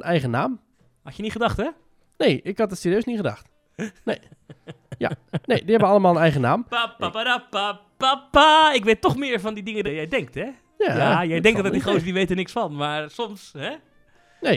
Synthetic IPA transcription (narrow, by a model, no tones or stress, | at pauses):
ənʔɛjɣənaːm | hatjəniχədaxtɛ | nejʔɪkhat̚dətsiːrjøːsniχəda̰xt | nej | ja̰nejdihɛbʋəɑləmaːlˠənɛjɣənaːmapːapadapa | papaɪk̬ʋetːɔxmɪːɹfɔndidɪŋədajɛjdɛŋk̚tɛ | jaajɛjdɛŋtdɔdixoːsədiʋeːtənɪksfɔnmaɹsɔmshɛ | ne